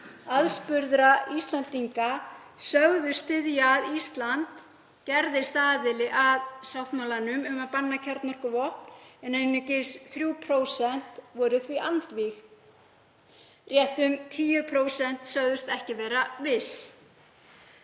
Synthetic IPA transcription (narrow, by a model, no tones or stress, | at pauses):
aðspʏɾðɾaist̪lant̪iŋkasœɣðʏst̪ɪðjaðist̪lant̪ | cɛɾðɪst̪aːðɪlɪʔaðsawht̪mawlanʏmʏmaðpanːacʰɛɾt̪nɔɾ̥kʏvɔhpn̥ɛnenːʏcɪsθɾjuːwpʰɾoːwsɛn̥t̪vɔːɾʏθviʔant̪vix | rjɛht̪ʏmt̪ʰiːjʏpʰɾoːwsɛn̥t̪sœɣðʏst̪ɛhcɪvɛːɾavɪs